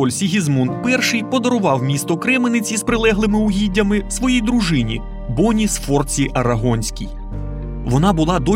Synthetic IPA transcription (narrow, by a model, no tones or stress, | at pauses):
ɔlʲsʲiɦʲizmunt̪pɛrʃɪjpɔd̪ɔɾʊʋɑwmʲist̪ɔkɾɛmenɪt͡sʲispɾɪlˠɛɦlˠɪmɪʊɦʲidʲːɐmɪsʋɔjijd̪ɾʊʒɪnʲi | bɔnʲisfɔrt͡sʲiʔɐɾɐɦɔnʲsʲkʲḭj | ʋɔnɑbʊlˠɑd̪ɔ